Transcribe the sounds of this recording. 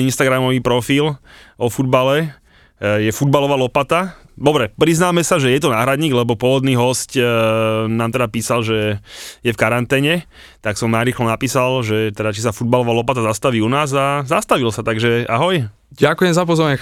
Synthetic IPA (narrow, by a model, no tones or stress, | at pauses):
inst̪aɡɾamɔʋiːpɾɔfiːlɔfud̪̚balɛ | jɛfud̪̚balɔʋaːlɔpat̪a | d̪ɔbɾɛpɾiznaːmɛsaʒɛjɛt̪ɔnaːɦɾad̪ɲiːɡlɛbɔpʊɔʋɔd̪niːɦɔsc | naːmt̪ɛd̪apiːsalʒɛjɛfkaɾant̪ɛːɲɛ | t̪aksɔmnajɾiːxlɔnapiːsalʒɛt̪ɛd̪at͡ʃisafud̪̚balɔʋaːlɔpat̪azast̪aʋiːunaːzazast̪aʋilsat̪aɡʒɛʔa̰ɦɔj | ɟakujɛmzapɔzɔɾaɲɛ